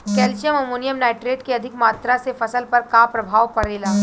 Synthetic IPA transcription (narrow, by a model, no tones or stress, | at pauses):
kɛːlt͡ʃjəmɐmoːnijəmnaːɪʈɾeːʈkeɐd̪ʱɪkmaːt̪ɾasefɐsəlpɐɾkapɾɐbʱaːʋpɐɾeːlaː